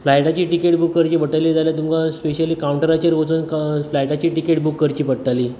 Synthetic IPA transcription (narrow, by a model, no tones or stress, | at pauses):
flajʈat͡ɕiːʈikeʈbukːəɾt͡ɕiːpəʈaliːd͡zaljat̪umkaspeɕəliːkawuɳʈəɾat͡ɕəɾʋot͡sunkflajʈat͡ɕiːʈikeʈ̚bukːəɾt͡ɕiːpəʈʈaliː